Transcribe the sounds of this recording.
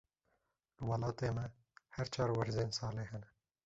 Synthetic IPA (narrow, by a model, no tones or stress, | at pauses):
ləwɑlɑːt̪eːmɛ | hɛɾt͡ʃʰɑːɾwɐɾzeːnsɑːleːhɛnɛ